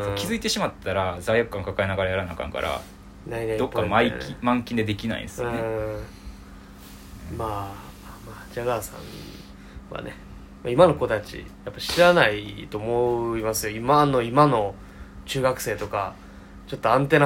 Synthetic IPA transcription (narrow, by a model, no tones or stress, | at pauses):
kʲizɨit̪e̞ɕimat̪ʰːaɾazaijakɯ̟̥kːãŋkakaenaɡaɾajaɾanakã̰ŋka̰ɾʔa̰ | nained̪okːamaikʲimãŋkʲĩnd̪e̞d̪e̞kʲina̰ḭ̥sɯ̃ne | maː | mamaːd͡ʑaɡaːsã̰n | βa̰ne̞ | ma̰imano̞ko̞t̪at͡ɕḭjapːaɕiɾanait̪o̞ːmo̞imasɨjo̞imano̞imano̞ | t͡ɕɨːɡakɯ̟̥se̞ːt̪o̞ka | t͡ɕo̞t̪ːo̞ãnt̪̬e̞na